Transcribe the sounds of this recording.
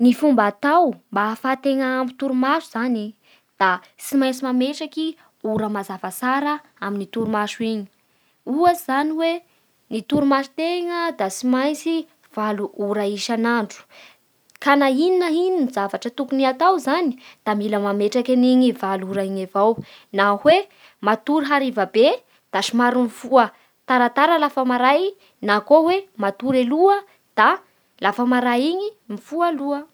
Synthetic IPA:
nifumbat̪awmbafat̪eŋaːmbit̪uɾumaʃuz̥ani | d̪̥a | t͡simajt͡simameʈ͡ʂaki | uɾəmazavasaɾə | aminit̪uɾumaʃuiɲi̥ | uəz̥aniwe | nit̪uɾumaʃu̥t̪eŋəd̪asimajt͡si | v̥aluʔuɾaiʃanaɳɖ͡ʐu̥ | kanaininəininizavaʈ͡ʂət̪ukuniat̪awzani̥d̪̥amiləmameʈ͡ʂakʲaniɲivaluuɾaiɲavawnahwe | mat̪uɾiɦaɾivabe | d̪̥aʃimaɾumifuə | t̪aɾat̪aɾəlafəmaɾaj | nakowemat̪uɾeluə | d̪̥a | lafəmaɾaiɲimifualuə

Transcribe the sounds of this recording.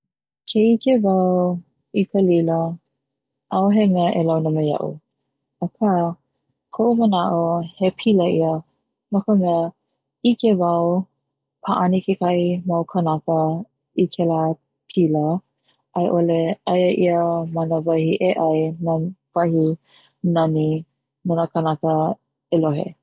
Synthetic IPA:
kʰeikevɐw | ikʰəlilə | ʔawɦemɛəʔelawnəmejɐ̰ʔṵ | ɐkʰa | kʰoʔumənaʔohepʰiləʔiə | məkəmɛə | ikevɐw | pʰaʔanikekaimawkʰənakə | ikʰela | pʰilə | ʔɐjʔoleɐjəʔiəmanəvɐhiʔeʔɐjnav̥ɐhi | nɐni | nanakənakə | eloɦḛ

